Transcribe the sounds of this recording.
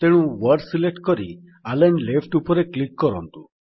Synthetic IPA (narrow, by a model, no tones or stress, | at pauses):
t̪eɽ̃ũwɔɾsileʈkɔɾḭ | alanlepʰʈupɔɾeklikːɔɾɔ̰nt̪u